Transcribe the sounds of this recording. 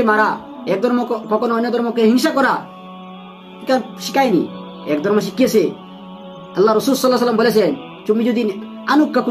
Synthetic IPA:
emaɾa | ek̚d̪ɔɾmɔkpɔkɔnɔnːɛd̪ɔɾmɔkeɦiŋʃakɔɾa | k̪ikaʃikajnḭ | ekd̪ɔɾmɔʃ̬ikːiese | ɐlːaɾɔsulsɔlːas̬əlːəmbɔlɛsɛn | t͡ʃumid͡ʒud̪in | anukːaku

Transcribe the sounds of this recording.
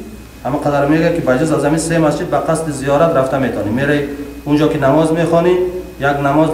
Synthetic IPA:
hamuqʰad̪aɾmeɡakibad͡ʒɔzazhaminsemasd͡ʒid̪baqʰast̪izijɔɾat̪ɾaft̪amet̪ʰɔnimeɾaiund͡ʒɔkinamɔzmeχɔni | jaɡnamɔz

